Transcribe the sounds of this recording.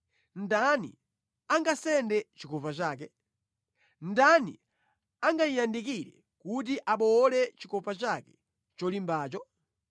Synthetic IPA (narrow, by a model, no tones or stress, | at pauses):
n̩danḭ | aŋɡasɛndɛt͡ʃikɔpat͡ʃaːk̬ɛ | n̩danḭ | aŋɡaijandikiɾɛ | kut̬iʔaɓɔːlɛt͡ʃikɔpat͡ʃakɛ | t͡ʃɔlimbaːt͡ʃɔ